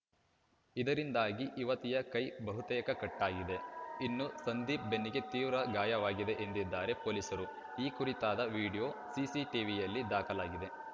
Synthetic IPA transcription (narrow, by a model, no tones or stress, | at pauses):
id̪ɐɾind̪aːɡiʔiʋɐt̪ijɐkɐjbɐɦut̪ɐjɐkɐkɐʈːaːɡid̪e̞inːusɐnd̪iːp̚benːiɡe̞t̪iːʋɾɐɡaːjɐʋaːɡid̪e̞ʔend̪id̪ːaːɾe̞poːlisɐɾu | iːkuɾit̪aːd̪ɐʋiːɽijo̞ːsisiʈiːʋijɐlːid̪aːkɐlaːɡid̪e̞